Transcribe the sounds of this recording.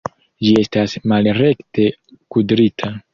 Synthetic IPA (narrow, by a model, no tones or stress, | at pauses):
d͡ʒie̞stasmalɾe̞kte̞kudɾitʰa